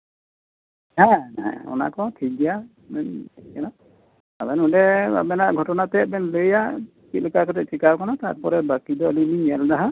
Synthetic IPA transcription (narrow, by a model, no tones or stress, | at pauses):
hɛ̃ɦɛ̰̃ɔ̰na̰kɔʈʰik̚ɡija | bɛntʰikːɛna | abɛnuɖɛa̰bɛnaɡʱɔʈɔnat̪ɛabɛnləja | kit̪̚lekakɔt̪ɛt͡ʃikaɾkɔnat̪aɾpɔɾɛbakid̪ɔəliliɲald̪aɦa